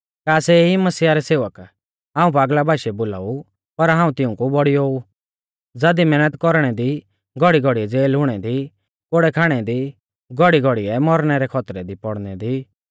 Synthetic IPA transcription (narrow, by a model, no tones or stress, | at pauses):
kaːsɛimɐsiːaɾɛseːʋək | ɦaːũpaːɡlabʱaːʃɛboːla̰ːu | pɐɾɦãːũt̪ɪʊ̃kubɔɽiɦoːu | d͡zɐd̪imɛːnət̪kɔɾɽ̃ɛd̪i | ɡʱɔɽiɡɔɽiɛd͡zeːlɦʊɽ̃ɛd̪i | koɽɛkʰaːɽ̃ɛd̪i | ɡɔɽiɡɔɽiɛmɔɾñɛɾɛkʰɔt̪ɾɛd̪ipɔɽnɛd̪i